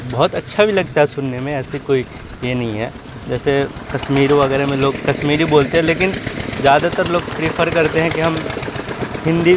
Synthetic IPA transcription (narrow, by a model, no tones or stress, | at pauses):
bɔɦɔt̪ɐtːʃʰabʱilɐɡ̚t̪aɦɛsʊnːemẽɛːsikoːi | jenɐɦĩɦɛː | d͡ʒɛːsekɐʃmiːɾʋɐɣɛːɾemẽloːɡkɐʃmiːɾiboːlt̪eɦɛ̃leːkɪnzjaːd̪at̪ɐɾloːɡpɾiːfʰəɾkɐɾt̪eɦɛ̃kiɦɐm | ɦɪ̃nd̪i